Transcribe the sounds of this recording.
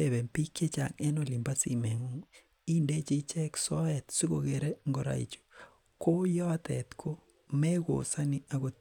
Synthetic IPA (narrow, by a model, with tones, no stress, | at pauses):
e˦˨bɛ˨mpi˦kje˦t͡ʃa̰˨ŋɛ˦no˨li˨mba˦sḭ˨mɛ˨ŋu˦ | i˦nde˦t͡ʃi˦t͡ʃɛ˦ksɔ˦ɛ˨t̪si˦ko˨ɣe˨ɾe˦ŋɡo˦ɾa̰˨ḭ˨t͡ʃo̥˨ | ko˦jɔ˦a˦t̪ɛ̰˨t̪kʰo˦ | mɛ˦ko̰˨sa˦ni˦a˨ko˨